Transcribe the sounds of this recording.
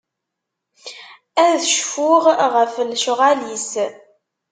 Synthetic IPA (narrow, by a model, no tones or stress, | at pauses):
æðʃfʊʁʁəflʃʁalis